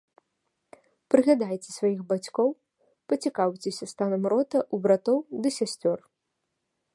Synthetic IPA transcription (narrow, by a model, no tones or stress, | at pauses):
pɾɨɣlʲad̪ajt͡sʲɛsvajixbat͡sʲkɔw | pɐt͡sʲikawt͡sʲɛsʲɐst̪anɐmɾɔt̪ɐʔubɾat̪ɔwd̪ɨsʲasʲt͡sʲɔr